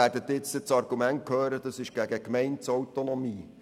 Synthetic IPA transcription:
æɾdət̪ɪt͡sət͡sɑrɡ̥umænt̚kʰhøːɾəd̥ɑsɪʃɡ̥æɡəkmɛɪntsɔwtonɔmiː

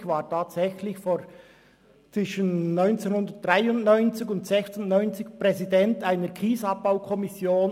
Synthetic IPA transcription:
çvaːɐtʰaːtsɛçlɪçfoː | t͡sʋ̥ɪʃənːɔʏnt͡seːnhʊndət̚d̥ʁaɪʊntnɔʏnt͡sɪçʊntz̥ɛçtsʊntnɔʏnt͡sɪkpʁɛzidɛntaɪnəɾkʁiːzɑp̚b̥aʊkʰɔmɪsjoːn

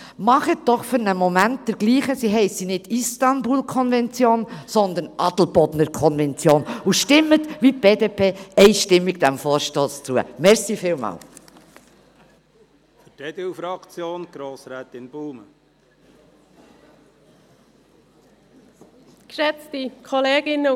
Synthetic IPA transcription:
mɑχət̚d̥ɔχfʏɾnəmɔmænt̚d̥əɾɡ̥liːχəsiɦɛɪsinɪdist̪ɑnbulkʰɔnvɛnt͡sjoːnsɔnd̪ənʔɑd̪l̩bɔdnəɾkʰɔnvɛnt͡sjoːnuʃtɪmːət̪ʋip̚b̥eːdeːpʰeːɛɪʃtɪmːiɡ̚d̥̪æmfɔːɾʃtoːst͡suə̰mɛɾsiːfɪːlmɑ̰ːl | fəted̥̪ewfɾɑkt͡sjoːnɡ̥ɾoːsɾɛːt̪ɪnb̥uːmə | kʃɛt͡stikʰɔleːɡ̥ɪnːə

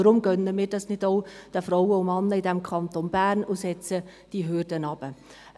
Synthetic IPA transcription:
ɾʊmɡœnəmiːɾdɑsnɪd̥oʊd̥əfɾɔwəʊmɑnːəɪdɛmkʰɑnt̪onb̥æːɾnʊsɛt͡sə | d̥iɦʏrdənɑb̥ə

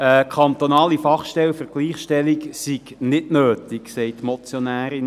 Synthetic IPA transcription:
əkʰɑnt̪onɑːlifɑχʃtɛlfəɾɡ̥liːχʃtɛliksiɡnɪdnøːt̪iksɛɪtmɔt͡sjonæːɾɪn

